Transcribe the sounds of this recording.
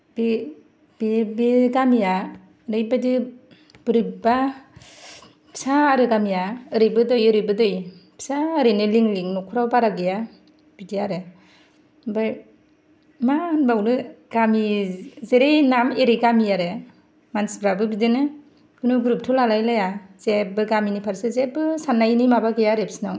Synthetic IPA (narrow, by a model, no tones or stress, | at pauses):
b̥e | b̥ebeɡamija | ɾɯjbadɯ | b̥ɯɾiba | pʰi̥saːɾɯɡamijaɯɾɯjbɯdɯjɯɾɯbɯdɯjpʰi̥saɯɾɯnɯliŋliŋnɔkʰuɾabaɾaɡɯja | b̥idiaɾe | bɯj | manbawnɯɡamizeɾejnameɾiɡamijaɾɯ | mansbɾabɯbidenɯ | ɡɯnɯɡɾup̚tʰulalajlajazebɯɡaminipʰaɾsɯzebɯsanːajnimabaɡejaɾepsinaw